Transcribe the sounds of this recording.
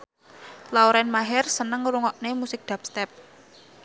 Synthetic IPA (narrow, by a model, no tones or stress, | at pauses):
laoɾɛnmaɦɛrsənəŋɾuŋɔʔnemusɪk̚d̪̥a̤p̚st̪ɛp̚